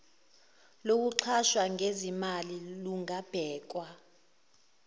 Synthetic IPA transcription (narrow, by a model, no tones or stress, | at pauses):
lok̬uǁʰaʃwaŋʱezimaliluŋʱab̥ʱɛːk̬wa